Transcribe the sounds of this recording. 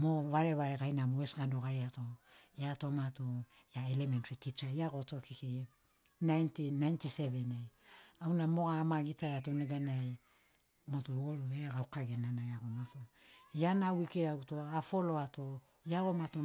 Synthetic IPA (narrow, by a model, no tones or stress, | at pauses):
moβaɾeβaɾeɡajnamoesɡandoɡaɾiatojatomato | jaelementɾitit͡ʃaiaɡotokiki | najntinajntisevenajawnamoɡamaɡitajatoneɡanaj | motooɾueɾeɡaukaɡenanajaɡomatojanawikeɾautoafoloato | jaɡomato